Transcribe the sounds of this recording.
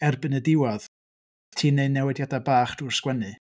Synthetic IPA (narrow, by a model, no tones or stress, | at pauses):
ɛrbɨnədɪwɔð̥ | tʰiːneɨnɛwɛdjadabaːχd̥urskwɛnɨ